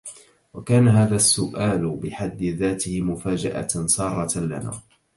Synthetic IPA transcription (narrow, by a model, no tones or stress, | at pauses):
wakaːnaɦaːðasːʊʔaːlbɪħad̪ːɪðaːt̪ɪhɪmʊfaːd͡ʒa̰ʔa̰sˤɑːrˤːɑla̰na̰ː